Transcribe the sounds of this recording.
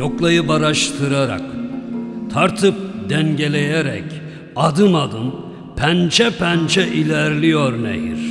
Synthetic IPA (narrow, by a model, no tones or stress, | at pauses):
oklˠajɯbaɾaʃt̪ʰɯɾaɾa̰k | t̪ʰaɾt̪ʰɯp̚d̪ɛnɟe̞lʲe̞jeɾɛ̰c | ad̪ɯnad̪ɯn | pʰænt͡ʃʰɛpʰænt͡ʃʰɛʔilʲæɾlʲijøɾnḛjḭɾ̥